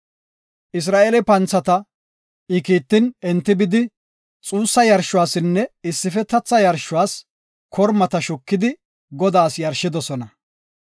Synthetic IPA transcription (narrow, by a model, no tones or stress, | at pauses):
ʔɪs̬ɾaːʔelɛpɐnt͡sːɐt̪ɐ | ɪkiːt̪ːɪnɛnt̪ːɪbɪd̪ɪ | t͡sʼuːsːɐjɐɾʃːʊwaːsɪnːɛɪsːɪfɛt̪ɐt͡sːɐjɐɾʃʊwaːs | kʰɔɾmɐt̪ɐʃʊkːɪd̪ɪ | ɡɔd̪aːsjɐɾʃːɪd̪ɔsɔnɐ